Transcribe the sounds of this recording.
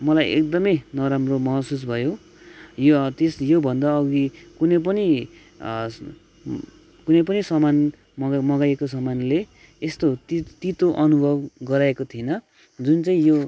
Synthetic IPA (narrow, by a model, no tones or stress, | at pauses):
mʌlajḛkd̪ʌmʌjnʌɾamromʌɦʌsus̬bʱʌjo | jot̪esjobʱʌnd̪aʌɡikunʌp̬ʌni | kunʌjpʌnisʌman | mmʌɡajekosʌmanleː | st̪ot̪it̪it̪oʔʌnubʱʌbɡʌɾaekot̪ʰienʌ | d͡zunt͡saĩjo